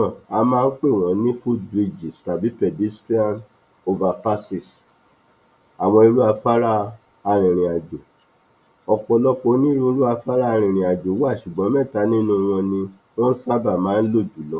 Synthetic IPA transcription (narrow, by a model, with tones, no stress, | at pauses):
ɔ̃˨a˧mãː˦n̩˦k͡pe˦˨w̃ɔ̃˨˦nĩ˦fu˦bɾi˧d͡ʒi˨sta˨bi˨˦pɛ˨di˦stɾi˦a˦˨n | o˧va˨pa˦si˦˨s | a˨w̃ɔ̃˧i˧ɾu˦a˧fa˦ɾa˦ | a˧ɾ̃ĩ˨ɾ̃ĩ˨a˨d͡ʒo˨ | ɔ˨k͡pɔ˧lɔ˦ko˧˦nĩ˦ɾũ˦ɾu˦a˧fa˦ɾa˦˧ɾ̃ĩ˧˨ɾ̃ĩ˨a˨d͡ʒo˨˦wa˦˨ʃu˨ɡ͡bɔ̃˨˦mɛ̃˦˨ta˨˦nĩ˦nũ˧w̃ɔ̃˧nĩ˧ | w̃ɔ̃˦sa˦ba˦˨mãː˨˦n̩˦lo˦˨d͡ʒu˨˦lɔ˨˦